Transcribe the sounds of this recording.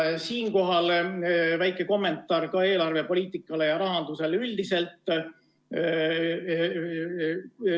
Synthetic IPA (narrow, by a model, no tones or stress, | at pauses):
siːŋko̞ɦɑlvæjkːˑe̞ko̞mːe̞nt̪ːˑɑːrkɑe̞ːlɑrve̞po̞lʲiːt̪ˑikːˑɑle̞jɑɾɑɦɑnd̪̥use̞lylʲd̪̥ise̞lt̪ːˑ